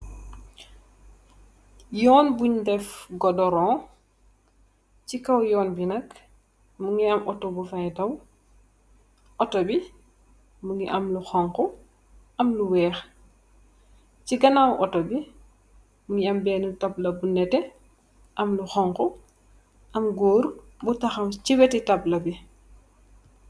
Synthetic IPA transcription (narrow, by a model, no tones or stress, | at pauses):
jɔːnbuɲdɛfɡɔdɔɾɔ̃ː | cikɐwjɔːnbinɐk | muŋiɐmʔɔtɔbufajtɐw | ʔɔtɔbi | muŋɡiʔɐmluxɔŋkɔ | ʔɐmluwɛːx | ciɡɐnawʔɔtɔbi | muŋiɐmbɛːnutɐblɐbunɛtɛ | ʔɐmluxɔŋkɔ | ʔɐmɡoːɾ | butɐxɐwciwɛtitɐblɐbi